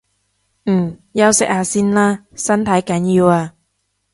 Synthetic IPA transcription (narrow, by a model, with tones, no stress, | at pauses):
m̩ː˨˩jɐ˧wsɪ˨k̚haː˨˧siː˥nlaː˦˥ | sɐ˥nt̪ʰɐ˨˥jkɐ˨˥njiː˧waː˧